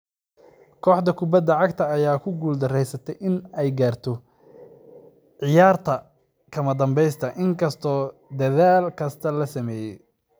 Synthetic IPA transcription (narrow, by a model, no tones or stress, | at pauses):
kʰɔːħd̪ɐkʰʊbɐd̪ɐʕɑɡt̪ʰɐːjaːkʰʊɡuːld̪ɐrɛjsɐt̪ʰɛjʔɪnɛjɡaːrt̪ʰɔ | ʕɪjaːrt̪ʰɐ | kʰɐmɐd̪ɐmbɛjst̪ʰɐʔɪŋkʰɐst̪ʰɔːd̪ɐðaːlkʰɐst̪ʰɐlɐsɐmɛːjɛj